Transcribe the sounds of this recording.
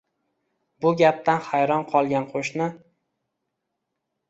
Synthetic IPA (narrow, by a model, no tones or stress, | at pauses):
bʊɡʲap̚t̪ʰanhajɾɒnqʰɒlˠɡʲanqʰoʃnɪ